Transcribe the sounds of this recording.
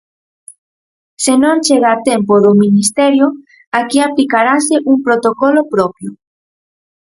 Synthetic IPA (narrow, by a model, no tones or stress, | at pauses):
senõŋt͡ʃeɣaːt̪empoðʊminist̪ɛɾjʊ | akiaplikaɾasɪʔuŋpɾot̪okolopɾɔpjʊ